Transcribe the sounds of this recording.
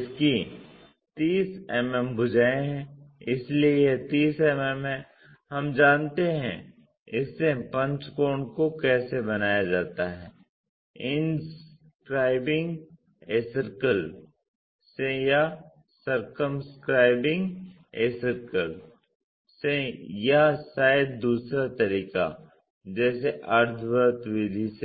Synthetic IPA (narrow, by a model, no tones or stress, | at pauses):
ɪski | t̪iːsɛmɛmbʊd͡ʒʱaːeɦɛ̃ɪsliejet̪iːsɛmɛmɦɛ̃ | ɦɐmd͡ʒãːnt̪eɦɛ̰̃ | ɪsːepɐ̃ɲt͡ʃkoːɳɖkokɛːsebɐnaːjad͡ʒaːt̪aɦɛː | ɪns | kɾaːɪbɪ̃ŋɡ | eːsəɾkəl | seja | sɐɾkəmskɾaːɪbɪ̃ŋɡ | eːsəɾkəl | sejasaːɪd̪̚d̪uːsɾat̪ɐɾiːka̰ | d͡ʒɛːseʔɐɾt̪ʰbəɾt̪wɪd̪ʱise